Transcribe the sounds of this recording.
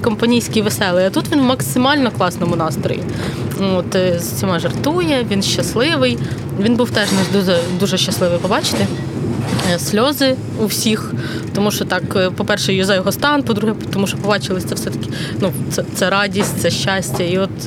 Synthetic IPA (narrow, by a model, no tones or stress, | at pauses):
kɔmpɐnʲijsʲkʲijʋesɛlˠɪɐt̪ut̪ʋʲinwmɐksɪmɑlʲnɔklˠɑsnɔmʊnɑst̪ɾɔ̰jḭ | ot̪zɐt͡sʲimɛʒɐrt̪ujɛʋʲinʃt͡ʃɐslˠɪʋɪj | ʋʲinbuwt̪ɛʒnɛd̪uzɛd̪uʒɛʃt͡ʃɐslˠɪʋɪjpɔbɑt͡ʃɪ̥t̪ɪ | sʲlʲɔzɪ | uwsʲix | t̪ɔmuʃt͡ʃɔt̪ɑkpɔpɛrʃɛjɔzɐjɔɦɔst̪ɑnpɔd̪ɾuɦɛt̪ɔmuʃɔpɔbɑt͡ʃɪlˠɪsʲt̪ɛwsɛt̪ɐ̥kʲɪ̥ | nut̪sɛt̪sɛɾɑdʲisʲtʲt̪ɛʃʲt͡ʃɑsʲtʲɐiɔt̪